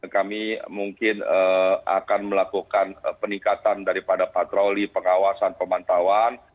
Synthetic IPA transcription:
kamimuŋkɪnəa̰kanməlakukanpəniŋkat̪andaɾipadapat̪ɾolipəŋawasanpəmant̪awan

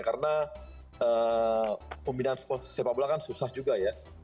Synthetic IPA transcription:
kaɾəna | əː | pombinanspəsepabulakansusahd͡ʒuɡaja

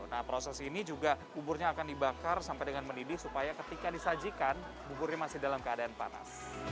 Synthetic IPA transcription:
nahpɾosɛsinid͡ʒuɡabubʊrɲaːkandibakarsampajdəŋanməndidɪhsupajakət̪ikadisad͡ʒikan | bubʊrɲamasɪhdalamkəadaːnpa̰na̰s

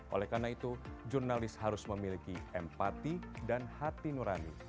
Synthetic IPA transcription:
ʔo̰lɛhkarnait̪ud͡ʒurnalɪshaɾʊsməmilikiɛmpat̪idanhat̪inuɾanḭ

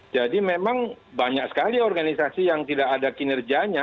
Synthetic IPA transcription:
d͡ʒadimemaŋbaɲak̚sə̥kaliɔrɡanisasijaŋt̪idakadakinɛrd͡ʒiaɲa

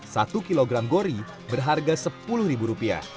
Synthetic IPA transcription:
sat̪ukiloɡɾamɡoɾi | bərɦarɡasəpulʊhɾibuɾupia̰

